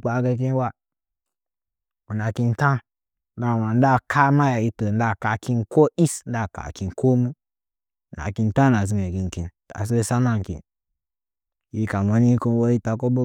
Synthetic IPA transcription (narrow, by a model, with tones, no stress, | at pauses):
k͡pa˨˦ɡe˧k̬i˦n˦wa˦ | u˨na˨ki˧n˦tã˦n˦ | da˨wa˨n˦da˦˨kʰa˦ma˦ja˨ji˧to˨n̩˦da˦˨ka˨ki˧nko˦i˦sn̩˦da˦˨ka̰˨ki˧n˨kʰo˦mu˦˨ | na̰˨ki˧n˦tã˦na˨zi˨ŋe˨ɡi˨ŋ˨ki˨nta̰˨s̬e˦e˧sa˦na˦ŋ˨kḭ˨n | ji˧ka˨ma˨ni˦ko˦wo˦i˦ta˨ko˦bo˦